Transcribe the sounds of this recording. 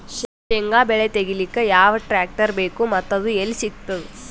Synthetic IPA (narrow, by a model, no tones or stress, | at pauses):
ʃʃeŋɡaːbeɭet̪eɡilikːejaːʋɐʈɾaːk̚ʈɐɾbeːkumɐt̪ːɐd̪uelisik̚t̪ɐd̪u